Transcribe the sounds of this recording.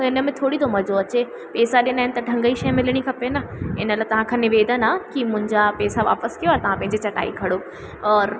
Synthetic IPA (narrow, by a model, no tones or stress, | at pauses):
ɪnə̆mẽt̪ʰoːɽit̪ʰomɐd͡ʑoɐt͡ɕe | peːsaɗɪjənaːɦɪnɪ̆t̪ɐɖʱɐ̃ŋɡəiʃɐjmɪlɽ̃ikʰɐpenɐɪnəlat̪ɐʋ̤ãkʰãːnɪʋeːd̪ənãkimʊ̃ɦɪ̃ɲd͡ʑapeːsaʋa̰ːpəskijoaːt̪ɐʋ̤ãpɐ̃ɦɪ̃ɲd͡ʑit͡ɕɐʈa̰ːikʰɐɽo | ɔːɾ